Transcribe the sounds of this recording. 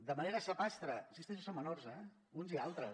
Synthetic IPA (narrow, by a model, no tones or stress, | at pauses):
d̪əmaneɾəsəpast̪ɾənsist̪ɛʒusomːənorzɛ | unzialˠt̪ɾə